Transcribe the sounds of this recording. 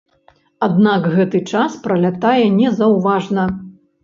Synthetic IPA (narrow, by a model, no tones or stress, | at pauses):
ad̪nakɣɛt̪ɨt͡ʂaspɾɐlʲat̪ajɛnʲɛzɐwvaʐnɐ